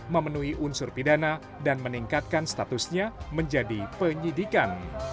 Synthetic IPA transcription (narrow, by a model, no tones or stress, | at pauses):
məmənuiʔunsʊrpidana | danməniŋkat̪̚kanst̪at̪usɲaməɲd͡ʒadipəɲidikan